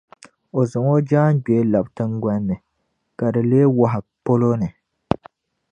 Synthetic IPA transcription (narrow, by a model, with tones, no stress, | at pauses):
o˨zɨ˨ŋo˦d͡ʒaː˦n˦ɡ͡be˨˦la˨btɨ˦ŋɡa˦nːɨ˨ | ka˨dɨ˨leː˦wa˦ɦa˨po˦lo˦nɨ˨